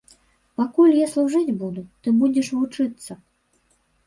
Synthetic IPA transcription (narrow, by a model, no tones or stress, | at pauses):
pakulʲjaslˠuʐɨd͡zʲbud̪ut̪ɨbud͡zʲɛʂvut͡ʂɨt̪sːɐ